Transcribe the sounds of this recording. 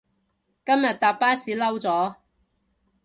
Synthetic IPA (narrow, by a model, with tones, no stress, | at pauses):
kɐ˥mjɐ˨t̚t̪aː˨p̚ːaː˥siː˨˥lɐ˥wt͡sɔː˨˥